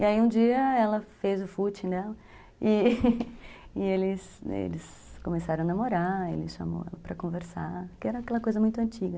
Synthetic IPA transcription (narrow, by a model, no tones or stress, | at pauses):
ɪaiũd͡ʒiɐɛlɐfezʊfut͡ʃĩd̪ɛlɐ | ɪ | ɪelɪs | ḛlɪs | kõmesaɾõanamoɾaḛlɪsʃa̰mo̰wɛ̰lɐpɾɐkõveɾsa̰kɪɛɾɐakɛlɐkojzɐmũj̃t̪ʊɐ̃nt͡ʃiɡɐ